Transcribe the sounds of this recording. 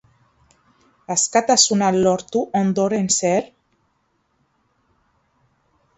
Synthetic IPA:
askat̪asunalɔɾt̪uʔond̪oɾenseɾ

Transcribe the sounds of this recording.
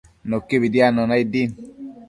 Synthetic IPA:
nokːebidianɔnaidin

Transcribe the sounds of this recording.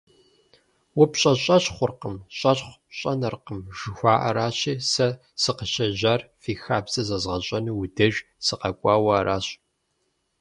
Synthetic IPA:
wʊpɕʼɐɕʼɐɕχʷʊrqəmɕʼɐɕχʷɕʼɐnɐrqəmʒɨxʷaːʔɐɾaːɕiːsɐ | sɨqəɕʼɐʑaːrfiːxaːbzɐzɐzʁɐɕʼɐnuːwudɐʒ | sɨqɐkʷʼɑːwɐːɾʔaːɕ

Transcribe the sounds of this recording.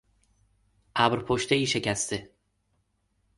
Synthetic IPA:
ʔæbɾpʰoʃt̪e̞iːʃe̞cʰæst̪e

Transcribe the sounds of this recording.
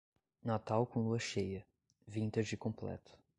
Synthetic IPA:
nat̪awkõluɐʃejɐ | vĩnt̪ɐd͡ʒɪkõplɛ̰t̪ʊ̥

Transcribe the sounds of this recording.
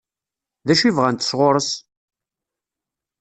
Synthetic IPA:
ðæʃivʁænt̪ə̥sʁoɾˤəs

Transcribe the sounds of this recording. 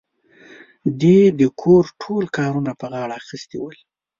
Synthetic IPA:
d̪ed̪əkʰoɾʈʰolkɑɾunapəɣɑɽaːxist̪ewəl

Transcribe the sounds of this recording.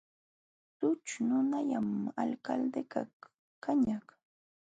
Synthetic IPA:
t̪ʊt͡ʃnʊnaʎamalkald̪eka̰ | kaɲaχ

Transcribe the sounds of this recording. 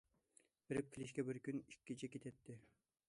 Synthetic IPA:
b̥ɪɾɪp̚kʲʰilɪʃkʲɛbɪɾkʲynikʲːit͡ʃʰɛkʲet̪ʰɛt̪ʰːɪ

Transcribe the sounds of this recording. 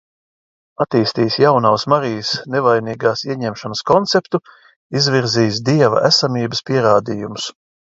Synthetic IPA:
at̪iːst̪iːsjawnawsmaɾijəsnevajniːɡaːsiɛɲɛmʃanəskɔnt̪sept̪u | izvʲiɾziːs̬d̪iɛva̰ʔæsamiːbəspiɛɾaːd̪iːjumus

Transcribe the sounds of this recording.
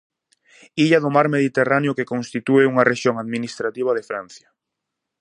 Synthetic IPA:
iʎaðʊmaɾmeðit̪eraneʊkekonst̪it̪ueuŋɐrʔeʃjoŋaðminist̪ɾat̪iβ̞aðefɾan̟θjɐ

